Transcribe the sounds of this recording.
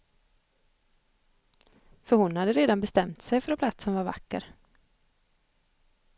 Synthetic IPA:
fœɾhʊnhad̪ːəɾeːd̪anbɛst̪ɛmt̪sɛjfœɾɛpʰlat̪sənvaɾva̰kːə̰ɾ

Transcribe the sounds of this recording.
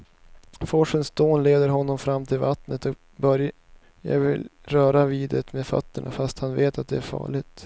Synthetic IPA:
fɔʂənsd̪oːnleːd̪əɾɦɔnːɔmfɾamːt̪ʰɪlvat̪nət̪ɔ | bœɾj | ja̰ːɡvɪlɾœːɾaviːd̪ət̪meːfa̰t̪ːəɳa̰fast̪hanveːt̪at̪̚d̪ɛæɾfɑ̰ːɭɪɡt̪

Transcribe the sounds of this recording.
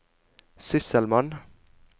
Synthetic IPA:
sʏsəlmɑn

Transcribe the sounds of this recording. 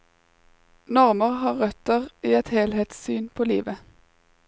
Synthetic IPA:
nɔʁməʁhɑːʁʁœt̪əʁiːɛt̪heːlheːt̪ssyːnpʰoːlḭːʋə

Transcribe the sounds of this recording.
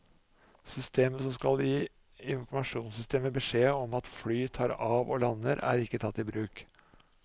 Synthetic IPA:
sʏst̪ʰeːməsɔmskɑld̪iː | ɪnfɔɾmɑʂuːnsʏst̪ʰeːməbəʂeːɔmɑt̪flyːt̪ʰɑːɾɑːʋo̰ːlɑnːəɾæ̰ːɾɪkːət̪ʰɑt̪ːɪbɾʉːk

